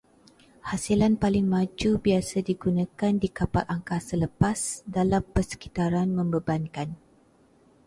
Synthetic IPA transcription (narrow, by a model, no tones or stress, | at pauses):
hasilanpalɪŋmãd͡ʒubiasadiɡunãkandikapat̪aŋkasələpasdalampərsə̥kit̪aɾanmə̃mbəbankan